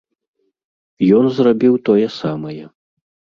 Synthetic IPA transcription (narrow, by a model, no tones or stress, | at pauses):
jɔnzrabʲiwt̪ɔjɛsamɐjɛ